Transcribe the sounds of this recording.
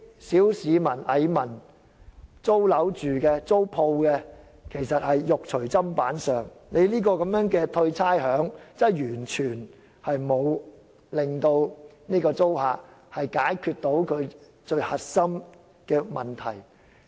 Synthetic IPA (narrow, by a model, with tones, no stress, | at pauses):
siː˨˥wsiː˨˧mɐ˨˩nʔɐ˨˧jmɐ˨˩n | t͡so˥wlɐ˨˥wt͡ʃyː˨kɛː˧t͡so˥wpʰo˧wkɛ˧ | kʰe˨˩jsɐ˨t̚hɐ˨jːʊ˨k̚t͡ʃʰɵ˨˩ɥt͡sɐ˥mpaː˨˥nsœː˨˩ŋne˨˧jliː˥kɔː˧kɐ˨˥mjœː˨˥ŋkɛː˧t̪ʰɵ˧ɥt͡sʰaː˥jhœː˨˥ŋt͡sɐ˥˩jjyː˨˩nt͡ʃʰyː˨˩n | hɐ˨jmo˨˧w | lɪ˨˩ŋt̪o˧wniː˥kɔː˧t͡so˥whaː˨k̚hɐ˨jkaː˨˥jkʰyː˧t̚t̪o˨˥wkʰɵ˨˧ɥ | t͡ʃɵ˧ɥhɐ˨t̚sɐ˥m | kɛː˧mɐ˨˩nt̪ʰɐ˨˩j